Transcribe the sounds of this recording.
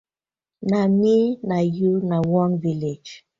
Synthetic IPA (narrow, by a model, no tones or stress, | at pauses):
naminajunawɔnviled͡ʒ